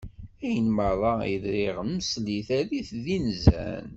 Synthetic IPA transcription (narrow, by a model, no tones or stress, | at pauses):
æjənməɾˤɑjəðɾɪiʁnməsliθæðiθðinzæ̰n